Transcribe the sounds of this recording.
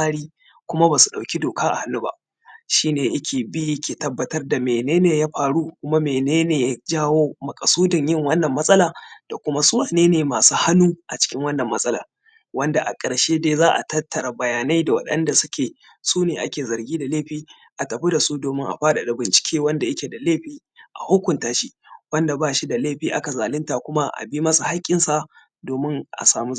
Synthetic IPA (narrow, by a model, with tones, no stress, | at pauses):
aː˦ɽiː˦ | kʷʊ˦ma˦ba˨su˨ɗa˨wkʲi˦doː˨kaː˦ʔa̰˨ha˨nːu˦ba̰˦ʔ | ʃiː˦neː˨ʔɪ˦kʲeː˨bi˦ji˦kʲʰeː˨tɐ˦bːɐ˨tɐ˦rda˨meː˨neː˦neː˨jaː˦ɸaː˨ɽu˦kʷʊ˦ma˦meː˨neː˦neː˨ja˦d͡ʒaː˦woː˦mɐ˨kʼɐ˨suː˦dɐ˨ɲjɪ˦ŋwɐ˦nːɐ˨mːɐ˦sʼɐ˦laː˨d̥a˨kʷʊ˦ma˦sʊ˦waː˨neː˦neː˨maː˨suː˦ha˦nːuː˦ʔa˨t͡ʃɪ̥˦kʲɪ˦ŋwɐ˦nːɐ˨mːɐ˦sʼɐ˦la̰ː˨ | wɐ˦nda˨ʔa̰˨kʼɐ˨ɽʃeː˦deː˦zaː˦ʔa̰˨tɐ˦tːɐ˨ɾa˨bɐ˨jaː˨na˦jda˨wɐ̰˨ɗɐ̰˦nda˨sʊ˦kʲʰeː˨ | suː˦neː˨ʔa˦kʲeː˨zɐ˨ɾɡʲiː˦da˨leː˦ɸiː˦ | ʔa˨tɐ˨ɸi˦da˨su˦doː˨mɪ˦ŋʔa̰˨ɸaː˦ɗa˨da˨bɪ˨nt͡ʃɪ̥˨kʲʰeː˦wɐ˦nda˨ʔɪ˦kʲe˨da˨leː˦ɸiː˦ | ʔa̰˨hʊ˦kʷʊ˨ntaː˦ʃi˦ | wɐ˦nda˨baː˦ʃi˦da˨leː˦˨ɸiː˨ʔa˦ka˨zaː˨lɪ˦ntaː˨kʷʊ˦ma˦ʔa̰˨bi˦mɐ˦su˨ha˦kʲʼːɪ˦nsa˨ | doː˨mɪ˦ŋʔa̰˨saː˨mu˦